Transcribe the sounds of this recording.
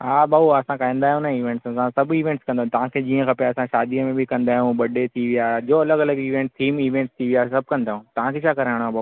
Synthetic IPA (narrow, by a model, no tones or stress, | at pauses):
ɦaːbaːuɐsãkaĩːnd̪aːɦjũnaɦiːʋẽːɳʈsəsãsɐbiːʋẽɳʈskɐ̃nd̪ãːt̪ɐʋ̤ãkʰeːd͡ʑiːə̃kɐpjaɐsãʃaːd̪iəmẽbʱɪkɐ̃nd̪aːɦijũɓɐɖet̪ʰiʋijaːd͡ʑoːɐləɡɐləɡiːʋẽːɳʈt̪ʰiːmiːʋẽːɳʈst̪ʰiʋijaːesɐb̚ʱkɐ̃nd̪aːɦjũːt̪ɐʋ̤ãkʰeːt͡ɕʰaːkɐɾaːɪɽ̃abaːu